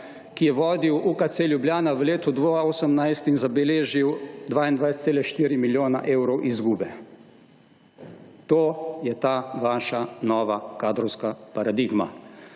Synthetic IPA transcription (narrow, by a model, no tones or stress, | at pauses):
kijɛʋɔːd̪iwukat̪seːljubljaːnaʋəleːt̪ud̪ʋoːoːsəmnajst̪inzabɛleːʒiwd̪ʋaːind̪ʋajsɛt̪seːlɛʃt̪iːɾimiljoːna̰ʔeːwɾɔwʔizɡuːbɛ | t̪oːjɛt̪aːʋaːʃanɔːʋakaːd̪ɾɔwskapaɾad̪iɡma̰